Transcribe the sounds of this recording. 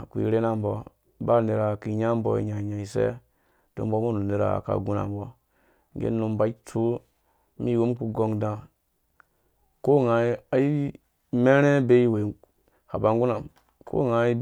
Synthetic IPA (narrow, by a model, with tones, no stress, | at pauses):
kʷḭ˨ɾe˦na˦m˦bɔ˨ | ba˦˨ne˨ɾa˨ki˨ɲa˦m˦bo˦ḭ˨˦ɲa˨ɲa˨i˨sḛ˦ | d̥o̰˨mbo˦mo˦nu˨ne˨ɾa̰˨ka̰˨ɡu˦na̰˨mbo˦ | ŋ˦ɡḛ˦nu˨mba˨˦i˦tʰu˦ | mi˦˨wo˦mku˨ɡo˦ŋdã˨ | ko˦ŋa˨˦a˨˦i˦ | me˦ɾe˦be˦i˦we˨ | ha˨ba˨ŋɡu˦na˨m | kʰo̰˦ŋa˨˦i˦